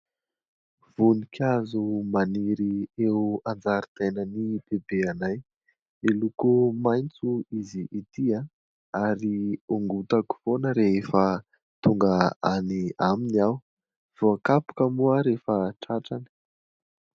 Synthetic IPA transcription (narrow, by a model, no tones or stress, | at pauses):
v̥unikʲʰazumaniɾiewand͡zaɾit̪enənib̥ebeanaj | elukumajnt͡suiziʔːt̪ia | aɾiuŋɡut̪aku̥fonəɾeɦefə | t̪uŋɡəaniaminiaw | v̥oakapu̥kəmuəɾefəʈ͡ʂaʈ͡ʂani̥